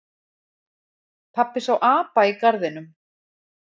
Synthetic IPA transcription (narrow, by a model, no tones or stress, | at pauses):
pʰapːɪsawʔaːpaikaɾðɪnʏm